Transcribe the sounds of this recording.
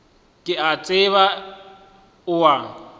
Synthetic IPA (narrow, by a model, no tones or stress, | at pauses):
kʼɪat͡sʼɪβa | ʊwa